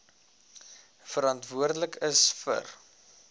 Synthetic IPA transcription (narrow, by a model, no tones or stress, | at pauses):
fəɾɑntvuərdələkʰəsfə̰r